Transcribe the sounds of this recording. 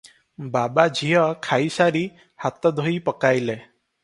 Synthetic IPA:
babad͡ʒʱijɔkʰajsaɾi | hat̪ɔd̪ʱoipɔkajle

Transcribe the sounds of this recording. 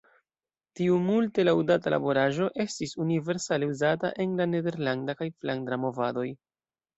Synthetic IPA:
tiumulte̞lawdatala̰bo̞ɾaʒo̞ʔe̞stisunive̞ɾsale̞uzata̰ʔe̞nlane̞de̞ɾlandakajflaŋdɾamo̞vado̞j

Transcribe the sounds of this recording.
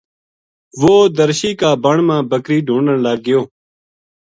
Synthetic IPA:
ʋoːd̪əɾʃiːkaːbəɳmãːbəkɾiːɖʱũːɳəɳlaːɡ̚ːɪjoː

